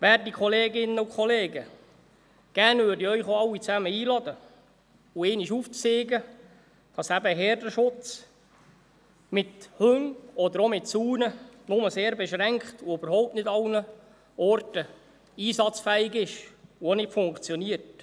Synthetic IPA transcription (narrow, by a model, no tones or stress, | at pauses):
ʋæɾdikʰɔleːɡɪnːəʊkʰχɔleːɡə | ɡ̥ærnvʏːɾdiœɥχoɑwːit͡sæməiːlɑd̪ə | ueːniʃuːftseːɡə | d̥ɑsæbəɦɛːrdəʃʊt͡s | mɪthʉŋɔd̪əɾomɪtsuːnənʊməseːɾbeʃɾæŋkχtuøbəɾhɔwp̚tnɪdɑwnə | ɔrtə | iːsɑt͡sfæɪɡɪʃuonɪtfʊŋkt͡sjɔniːəɾt